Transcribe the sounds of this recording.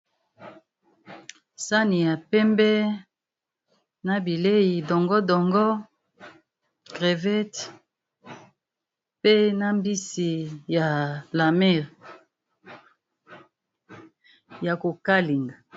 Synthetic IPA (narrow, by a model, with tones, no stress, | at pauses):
sa˦ni˨ja˨pɛ˦mbɛ˦ | na˦bi˨le˦ji˨dɔ˨ŋɡɔ˦dɔ˨ŋɡɔ˦ | ɡʁe˨vɛ˦t | pe˦na˦mbi˦si˨ja˨la˨mɛ˦˨ʁ | ja˨ko˨ka˦li˨ŋɡa˨